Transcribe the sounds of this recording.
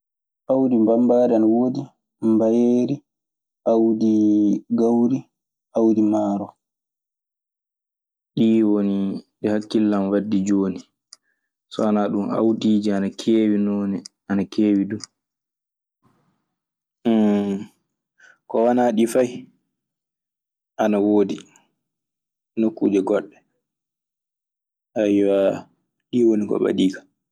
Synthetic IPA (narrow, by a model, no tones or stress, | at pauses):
ʔawdimbambaːdanwodi | mbajeɾi | ʔawdiɡawɾi | ʔawdimaːɾɔ | ɗiːwoniɗɛhakːilːamwadːid͡ʒoːni | sɔanaɗuma̰wdiːd͡ʒianakʰeːwinɔnɛ | anakʰeːwidu | kɔwanaɗifaj | ʔanawoːdi | nokːṵːd͡ʒɛɡɔɗːɛ | ajwa | ɗiːwonikɔ̰ɓa̰ɗiːkḁ